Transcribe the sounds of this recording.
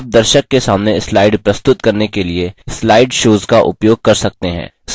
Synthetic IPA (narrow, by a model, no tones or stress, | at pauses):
p̚d̪ɐɾʃəkːesaːmneslaːɪɖpɾɐst̪ʊt̪kɐɾnekelieslaːɪɖʃoːzkaʔʊ̰pjoːɡ̚kɐɾsɐk̚t̪eɦɛ̰̃ː | s